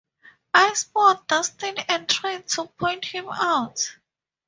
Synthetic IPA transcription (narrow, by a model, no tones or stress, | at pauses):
aɪspɔt̚dʌstɪ̃nɛ̃ntʰɹaɪd̚tʰupʰɔ̃ɪ̃nthĩmaʊt